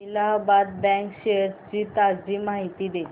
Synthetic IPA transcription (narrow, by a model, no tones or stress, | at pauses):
ilaɦbat̪̚bɛ̃ŋkɕeɾt͡ɕiːt̪aɾd͡ʑimaɦit̪iːd̪e